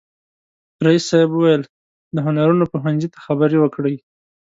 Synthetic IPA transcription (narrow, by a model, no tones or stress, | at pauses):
ɾaisːajbuwajəl | d̪əɦʊnaɾunopoɦanzit̪ḁxabəɾiwəkɽəj